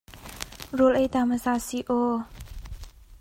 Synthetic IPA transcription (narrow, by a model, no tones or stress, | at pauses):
rolʔet̪amasasiʔo